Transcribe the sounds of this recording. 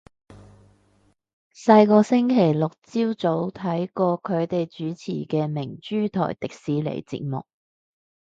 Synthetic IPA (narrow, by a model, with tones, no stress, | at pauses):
sɐ˧jkɔː˧sɪ˥ŋkʰe˨˩jlʊ˨k̚t͡siː˥wt͡so˨˥wt̪ʰɐ˨˥jkɔː˧kʰɵ˨˧ɥt̪e˨jt͡ʃyː˨˥t͡sʰḭː˨˩kɛː˧mɪ˨˩ŋt͡ʃyː˥t̪ʰɔ̰ː˨˩jt̪ɪ˨k̚siː˨˥lḛ˨˩jt͡sḭ˧t̚mʊ̰˨k̚